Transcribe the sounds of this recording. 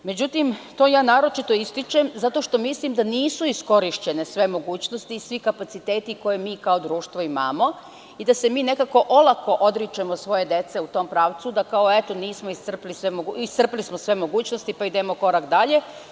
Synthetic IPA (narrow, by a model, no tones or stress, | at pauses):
me̞d͡ʑut̪imt̪o̞ːjaːnaːɾo̞t͡ʃit̪o̞ist̪it͡ʃemzat̪o̞ʃt̪o̞mislimd̪aniːsuisko̞ɾiʃt͡ɕe̞ne̞sʋe̞mo̞ɡuːt͡ɕnost̪isʋikapat̪sit̪eːt̪iko̞jemiːkao̞d̪ɾuːʃt̪ʋo̞imamo̞ | id̪ase̞miːne̞kako̞ʔo̞lˠako̞ʔod̪ɾit͡ʃemosʋo̞je̞d̪e̞t̪se̞ut̪o̞mpɾaːʋt̪sud̪akao̞et̪oniːsmo̞ist̪r̩plisʋemoɡuist̪r̩plismosʋe̞mo̞ɡuːt͡ɕnost̪ipaid̪emo̞ko̞ɾakd̪aʎe̞